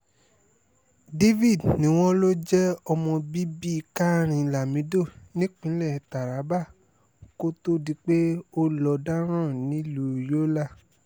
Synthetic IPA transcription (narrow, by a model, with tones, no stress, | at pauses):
de˦vi˦˨dnĩ˨˦w̃ɔ̃˦lo˦d͡ʒɛ˦ɔ˧mɔ̃˧bi˦bi˦˧ka˦ɾ̃ĩ˧la˨mĩ˨˦do˦˨nĩ˦k͡pĩ˨˦lɛ˦˨ta˨ɾa˨˦ba˦˨ | ko˦to˦di˧k͡pe˦o˦lɔ˧da˦ɾ̃ã˦˨nĩ˨˦lu˦˨jo˦la˦˨